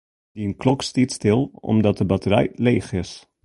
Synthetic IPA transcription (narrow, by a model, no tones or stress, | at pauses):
diənklɔkstitstɪlˠɔ̰mdɑt̚dəbɑtəɾɛ̰jleːχɪs